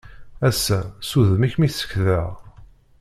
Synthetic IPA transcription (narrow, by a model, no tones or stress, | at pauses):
æsːæsuðəmiçmiθə̥çðəʁ